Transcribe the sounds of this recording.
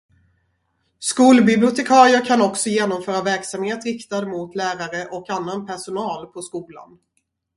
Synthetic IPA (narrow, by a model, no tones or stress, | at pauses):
skuːlbɪblɪʊt̪ɛkʰɑːɾɪəɾkʰanɔksɔjeːnɔmfœːɾavæɾksamheːt̪ɾɪkt̪ad̪əmʊt̪ʰlæːɾaɾəʔɔkanːanpʰæʂʊnɑːlpʰɔskuːla̰n